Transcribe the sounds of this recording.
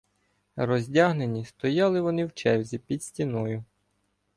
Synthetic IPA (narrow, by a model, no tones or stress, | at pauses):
rɔzʲdʲaɦne̞nʲist̪ɔjɑlˠɪʋɔnɪwt͡ʃɛwʲzʲipʲid̪sʲtʲinɔjʊ